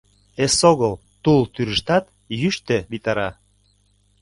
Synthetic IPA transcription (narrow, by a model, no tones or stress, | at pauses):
esoɣəlˠ | t̪ult̪yɾəʃt̪ɑt̪ | jyʃt̪eβit̪ɑɾɑ